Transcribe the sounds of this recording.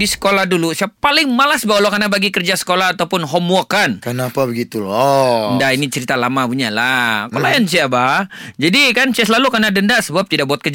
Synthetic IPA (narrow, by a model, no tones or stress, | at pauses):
disə̥kolahdulusiapalɪŋmalasbawalokarnabaɡikərd͡ʒasə̥kolahːt̪awpʊnɦɔmokankənapabəɡit̪ulɔndainit͡ʃəɾit̪alamabuɲalakolajans̬iabad͡ʒadikansias̬lalukanadəndaʔsəbap̚t̪idaʔbuat̪̚kərd͡ʒ